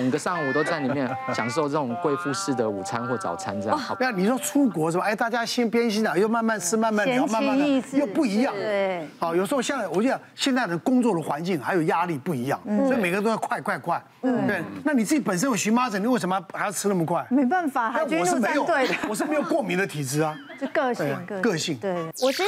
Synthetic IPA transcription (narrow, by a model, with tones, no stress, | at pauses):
ə˨˩ɡə˧˦ʂɑ˥˩ŋwɔ˨˩t̪o˥ʊt͡sa˥˩ni˨˩mjɛ˥˩nɕjɑ˨ŋʂo˥˧ʊt͡sə˥˩ʈ͡ʂʊ˨˩˦ŋkwe˥˧ɪfu˥˧ʂɻ̩˥˩d̪ə˩u˨˩t͡sʰa˦˥nxwɔ˥˩t͡sɑ̰˨˩ʊt͡sʰa̰˦nt͡sə˥˧˥ni˨˩ʂwɔ˥ʈ͡ʂʰu˥kwɔ˧˥ʂə˧˥m˧e˥˩ɪt̪a˥˩t͡ɕja˥ɕi˥npjɛ˥nɕi˥na˨˩jo˥˧ʊma˥˧nma˥˩nt͡sʰɻ̩˥ma˥˧nma˥˩n˨˧˥ma˥˧ma˥jo˥˧ʊpu˥˩i˧˥jɑ˥˩ŋa˥˩jo˨˩ʂ̬̩˧˥o˧ɕjɛ˥˧nt͡sa˥˩wɔ˨˩t͡ɕɛ˥˩d̪ə˨˩ɕjɛ˥˧nt͡s̪a˥˩ɪd̪ə˧˩kʊ˥ŋt͡swɔ˥˩d̪ə˩xwa˧˥nt͡ɕi˥˩ŋxa˧˥ɪjo˨˩ʊja˥li˥˧pu˥˩i˧˥jɑ̰˥˩ŋsɔ˧˥i˨me˨ɪɡə˧t̪̬o˥˧kʰwa˥˧ɪkʰwa˥˧ɪkʰwa˥˩ɪ˥˩t̪we˥˩ɪna˥˩ni˨˩t͡sɹ̩˥˩t͡ɕi˧˥pə˨˩nʂ̬ə˥nwe˥˩ɕy˧˥ma˥t͡sɤ˨˩ni˨wʂ̬mə˧xa˧˥ɪjo˧˩ʊt͡sʰɻ̩˥na˥˩mə˩kʰwa˥˩ɪme˧˥ɪba˥˩nfa˨˩na˥˩n˧ɔ˨ʂɻ̩˥˧˨me˧˥ɪjo˨ʊwe˥˩ə˩wɔ˨ʂ̬̩˥˩me˧˥jo˨˩ʊkwɔ˥˩mi˧˥nd̪ə˨˧t̪ʰi˨˩ʈ͡ʂɻ̩˧˥ɐ˨˥k̪e˥˩˧kɤ˥˧ɕi˥˩ŋ˥˩ɔ˨˩˥